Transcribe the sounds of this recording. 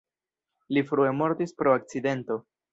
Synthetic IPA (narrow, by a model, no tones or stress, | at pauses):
lifɾuemo̞ɾt̪ispɾo̞ak̚t͡side̞nto̞